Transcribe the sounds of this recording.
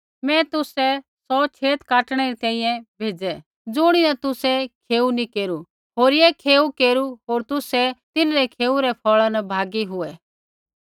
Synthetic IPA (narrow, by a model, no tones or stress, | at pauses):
mɛ̃ːt̪ʊsɛsɔt͡ʃʰeːt̪kaːʈɽ̃ɛɾit̪ɛ̃ːĩːjɛ̃bʱeːd͡zɛ | d͡zʊɽ̃inɛt̪ʊsɛkʰeːunikeːɾu | ɦoːɾjekʰeːukeːɾuɦoːɾt̪ʊsɛt̪ɪnɾɛkʰeːuɾɛpʰɔːɭanɐbʱaːɡiɦʊɛ